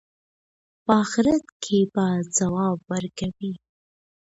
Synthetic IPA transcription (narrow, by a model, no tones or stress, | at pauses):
pəɑxɪɾat̪kʰebazawɑbwəɾkawi